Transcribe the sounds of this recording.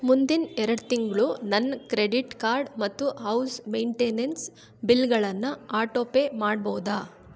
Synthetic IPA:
mund̪inɛɾɐɽt̪iŋɡɭunɐnːkɾeɖiʈkaːɾɖmɐt̪ːuɦɐwsmejɳʈeːnens | bilɡɐɭɐnːɐaːʈoːpemaːɽ̚bɐwd̪aː

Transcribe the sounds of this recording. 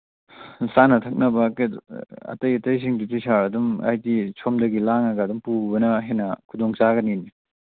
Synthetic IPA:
sanɐtʰɐk̚nɐbɐk | ɐ̰tɐjɐtɐjs̬iŋditisaɾɐduma̰jdisʰomdɐɡilaŋɐɡɐdumpubɐnɐɦenɐkʰudoŋt͡ʃaɡɐnini

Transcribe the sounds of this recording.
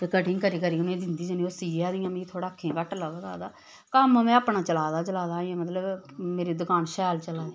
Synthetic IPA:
t̪eːkəʈɪ̃ːŋkəɾiːkəɾiːʊnẽːd̪ɪnd̪iːd͡ʒəniːosiːaːd̪ɪjãːmĩt̪ʰoːɽaːkʰːẽːʋəʈlaːʋaːd̪a̰ːd̪aː | kəmmɛ̃ːaːpɳaːt͡ʃəlaːd̪aːt͡ʃəlaːd̪aːãːmət̪ləbmeːɾiːd̪ʊkaːnʃɛːlt͡ʃəlaːd̪ː

